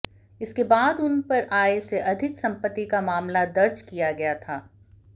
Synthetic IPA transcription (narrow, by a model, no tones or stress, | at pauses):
ɪskebaːd̪ʊnpɐɾaːeseʔɐd̪ʱɪksɐ̃mpət̪ːikamaːmlad̪ɐɾd͡ʒkijaɡɐjat̪ʰaː